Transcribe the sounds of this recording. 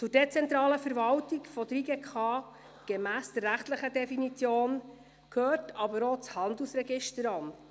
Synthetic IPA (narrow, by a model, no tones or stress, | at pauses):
t͡sʊɾdet͡sɛnt̪ɾɑːləfəɾvɑltiɡfɔdɾiɡɛkʰɑː | ɡ̥emæːsd̥ərːæχt̪ləχədɛfinit͡sjoːn | kʰhøːɾtʰɑbəɾot͡shɑnd̪l̩usɾɛɡɪʃtəɾɑn